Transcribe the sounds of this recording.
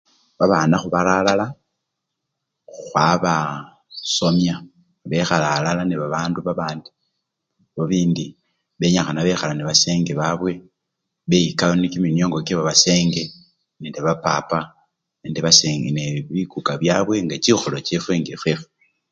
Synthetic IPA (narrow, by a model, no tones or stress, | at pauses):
βaβaːnaxuβalalala | xwaβa | so̞mja | βe̞xalalalaneβaβaːnduβaβaːndi | βoβiːndi | βe̞ɲaxanaβe̞xalaniβase̞ːŋɡeβaβwe̞ | βejikaβonikimino̞ːŋɡokeβaβase̞ːŋɡe | neːndiβapapa | neːndiβaseneβikukaβjaβwe̞ŋɡat͡ʃixolo̞t͡ʃefweŋɡefwefe